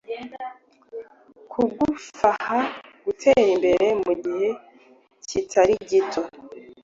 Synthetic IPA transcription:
kʰuɡufahaɡ̥utʰe̞ɾimbe̞ɾe̞muɡihe̞ | citʰaɾiɟitʰo̞

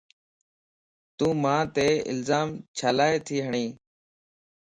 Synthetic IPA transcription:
t̪ũːmãːt̪eːɪ̰lzaːmt͡ʃʰaːlaːeːt̪ʰiːɦəɳiː

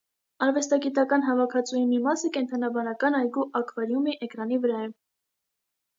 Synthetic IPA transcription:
ɑɾvɛst̪ɑɡit̪ɑkɑnɦɑvɑkʰɑt͡sʰujmimɑsəkɛnt̪ʰɑnɑbɑnɑkɑnɑjɡuʔɑkʰvɑɾjumiʔɛkɾɑnivəɾɑɛ

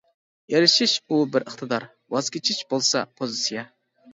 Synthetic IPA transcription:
jeɾɪʃɪʃubɪɾəχt̪ʰɨd̪ɑɾ | wɑz̥kʲʰet͡ʃʰɪʃbolˠsɑpʰozɨsijɑ

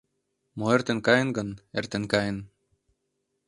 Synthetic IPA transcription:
moert̪ĕnkɑjɤ̆nɡɤ̆nert̪ĕnkɑjɤ̆n

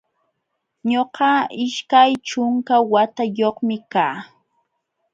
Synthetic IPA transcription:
ɲoqɑɪʃkajt͡ʃʊŋkawat̪ajoχmɪkaː

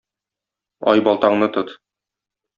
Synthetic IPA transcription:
ɒ̰jbɒlˠt̪ɑɴnɤt̪ɤt̪

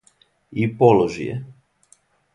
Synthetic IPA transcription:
ipoloʒḭjɛ̰

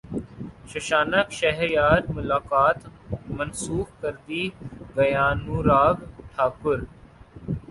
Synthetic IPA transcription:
ʃɐʃaːnəkʃəɦɾjaːɾmʊlaːkaːt̪mənsuːxkəɾd̪iːbɐjaːnũːɾaːɡʈʰaːkʊɾ

